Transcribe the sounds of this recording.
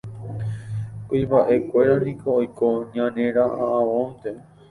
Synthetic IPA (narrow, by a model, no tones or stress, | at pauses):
koibaʔe̞kʷe̞ɾanĩkoːjkoɲãnẽɾaʔaʔãõnt̪e